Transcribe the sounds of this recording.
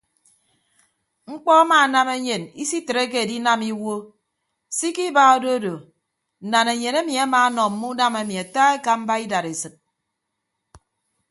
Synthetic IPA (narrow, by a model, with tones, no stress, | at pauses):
ŋ͡m̩˦k͡pɔ˦a˦maː˨na˦me˦ɲe˨ni˦si˦te˨ɾe˦k̬e˦e˨di˦na˦mi˦wo˦ | si˦ki˦ba˦o˦do˦do˨ | n̩˨na˨ne˨ɲe˨ne˦mi˨a˦maː˨˦nɔ˨m̩˦mu˦na˦me˨mi˨a˨ta˦e˦ka˨m̩˦ba˦i˦da˨ɾe˨sɨ˨t̚